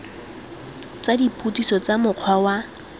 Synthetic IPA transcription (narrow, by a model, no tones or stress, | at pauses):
t͡sadipʼutʼisɔt͡samʊq͡χʰwawa